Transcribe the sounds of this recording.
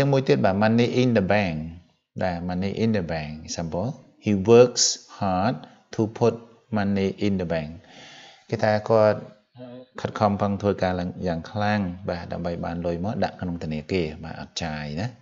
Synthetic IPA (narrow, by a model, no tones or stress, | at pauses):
t͡ɕɨəŋmuəjt̪iət̪̚ɓaːmanːiːʔinɗəbɛːŋ | ɗaɛmanːiːʔinɗəbɛŋsambo | hiːʋəːkshaːt̪̚ʰː | uːpʰut̪̚ | manːiːʔindəbɛŋ | keːt̪ʰaɛkŏət̪̚ | kʰət̪̚kʰɑmpʰəŋt̪ʰʋəːkaːljaːŋkʰlaŋɓaːɗa̰əmɓəjɓaːnlʊjmɔːɗa̰ʔkʰnoŋt̪ʰəniəkeːɓa̰ːʔɑ̰t̪̚t͡ɕaːjnah